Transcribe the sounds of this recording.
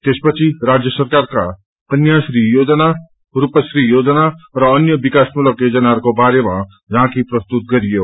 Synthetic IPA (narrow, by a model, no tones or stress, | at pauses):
t̪espʌt͡sʰiɾad͡zjʌsʌɾkaɾka | kʌnjasɾijod͡zna | ɾupəsɾijod͡znaɾʌːnjʌbikasmuləked͡zʌnaɾkobaɾema | d͡zɦãkipɾʌst̪ut̪̚ɡʌɾijo